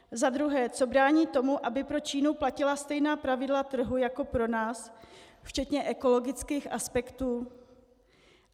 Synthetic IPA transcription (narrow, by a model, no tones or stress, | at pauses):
zad̪ɾuɦɛːt͡so̞bɾaːɲiːt̪o̞muʔabɪpɾo̞t͡ʃiːnuplacɪlast̪ɛjnaːpɾavɪdlat̪r̩ɦujako̞pɾo̞naːsft͡ʃɛt̪ɲɛʔɛko̞lo̞ɡɪt͡skiːxʔaspɛkt̪uː